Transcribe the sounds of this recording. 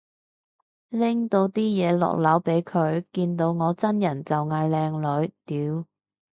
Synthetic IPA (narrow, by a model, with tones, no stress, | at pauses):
lɪ˥ŋt̪o˧wt̪iː˥jɛː˨˧lɔ̰˨k̚lɐ˨˥wpe˨˥jkʰɵ˨˧ɥkiː˧nt̪o˧wŋɔː˨˧t͡sɐ˥njɐ˨˩nt͡sɐ˨wŋaː˧jlɛː˧ŋlɵ˨˧ɥt̪iː˨˧˥w